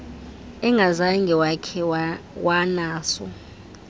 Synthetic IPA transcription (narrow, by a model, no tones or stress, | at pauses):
ɛŋɡʱazaŋɡʱɛwakʰɛwanaːsɔ̰